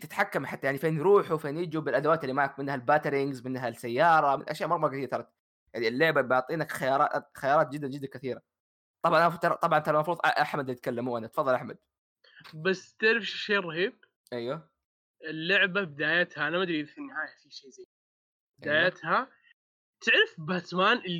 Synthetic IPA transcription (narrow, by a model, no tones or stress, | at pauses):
t̪ɪt̪ħakːamħat̪ːjaʕnifeːnjɾuːħufeːnjɪd͡ʒubɪlʔad̪awaːt̪ɪlːimaʕakmɪnːhalbat̪ɾɪŋɡzmɪnːɦasajːɑːɾˤɑmɪnʔaʃjaːʔmɑɾˤmɑɾˤkaθiːɾat̪ɑɾˤt̪ | jaʕnilːʊʕbabʊʕt̪ˤiːnakxajɑɾˤɑːt̪xajɑːɾˤɑːt̪̚d͡ʒɪd̪ːand͡ʒɪd̪ːankaθiːɾa | t̪ˤɑbʕɑnʔanaft̪ɑɾˤt̪ˤɑbʕɑnmt̪almɑfɾuːðˤʔʔaħmad̪ljt̪̚kalːamuʔanat̪fɑðˤːɑlʔaħmad̪̥̚ | bast̪ɪʕɾɪfʃʃeːrˤɑhiːb̚ | ʔajwa | ɪlːʊʕbabɪd̪aːjat̪haʔanamad̪ɾiɾθinːɪhaːjafiʃeːzajː | bɪd̪aːjat̪ha | t̪ɪʕɾɪfbat̪maːnʔɪ